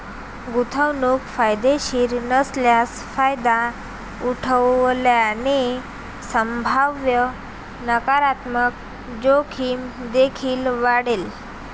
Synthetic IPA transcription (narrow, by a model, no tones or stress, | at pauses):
ɡut̪ʰəwnukfajd̪eɕiːɾnəsljas | fajd̪a | uʈʰəʋljani | səmbʱaʋjə | nəkaɾat̪mək | d͡ʑokʰiːmd̪ekʰiːlʋaɽel